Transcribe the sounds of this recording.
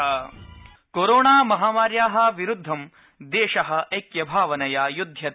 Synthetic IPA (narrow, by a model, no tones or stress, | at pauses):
koɾoːɳaːmɐɦaːmaːɾjaːɦɐ̆ʋiɾud̪ʱːɐm | d̪eːʃɐɦɐ̆ɐjkjɐbʱaːʋɐnɐjaːjud̪ʱjɐ